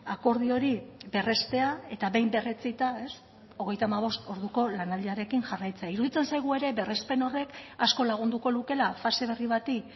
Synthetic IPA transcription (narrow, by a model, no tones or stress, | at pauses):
ako̞ɾð̞io̞ɾibe̞re̞st̪e̞ae̞t̪aβe̞jmbe̞ret͡sit̪ae̞s | o̞ɣ̞e̞jt̪amaβ̞o̞st̪o̞ɾð̞uko̞lanald̪iaɾe̞kiŋʝarajt͡seaiɾuðit͡se̞nsajɣ̞ue̞ɾe̞βe̞re̞spe̞no̞re̞kasko̞laɣ̞und̪uko̞luke̞lafase̞β̞e̞riβ̞at̪i